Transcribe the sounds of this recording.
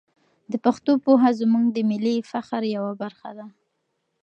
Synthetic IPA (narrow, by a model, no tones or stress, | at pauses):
d̪əpaxt̪opoɦazmuŋɡd̪əmɪlifaxɾjawabaɾxa̰d̪a